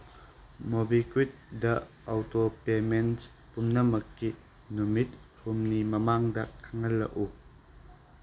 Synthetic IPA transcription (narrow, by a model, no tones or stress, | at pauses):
mobikwit̚dɐ | awtopemens | pumnɐmɐkːi | numit̚humnimɐmaŋdɐkʰːɐŋɐlːɐ̰ʔu